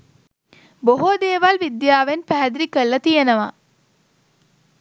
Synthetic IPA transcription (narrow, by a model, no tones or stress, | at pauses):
boɦod̪eːʋɐlʋid̪jaːʋenpæɦæd̪ɾikəlːɐt̪ijenɐʋa̰